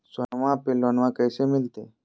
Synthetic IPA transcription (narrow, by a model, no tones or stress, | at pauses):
sənʋãpelənʋãkəjsemilt̪e